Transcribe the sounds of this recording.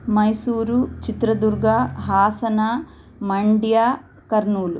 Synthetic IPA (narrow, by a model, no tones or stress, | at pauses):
mɐjsuːɾut͡ʃit̪ɾɐd̪uɾɡʱaɦaːsɐnaː | mɐɳɖjaː | kɐɾnuːlu